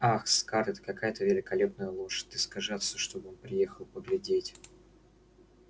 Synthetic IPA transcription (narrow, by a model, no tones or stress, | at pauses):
axskaɾɛt̪ə̥kɐkajət̪əvʲɪlʲɪkɐlʲepnəjəlˠoʂt̪ɨskɐʐɨɐt̪sʲoʂt̪o̞bəɨo̞npɾʲɪje̞xəlˠpəɡlʲɪdʲetʲ